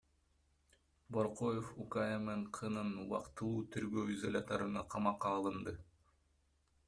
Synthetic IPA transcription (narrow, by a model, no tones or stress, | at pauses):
boɾqojefukajemeɴqʰɤnɤnwɑ̰qt̪ɯ̆lˠuːt̪ʰɵ̆ɾɡøwizolʲɑt̪ɑɾɯnɑqʰɑmɑqːɑːlˠɤ̆nd̪ɤ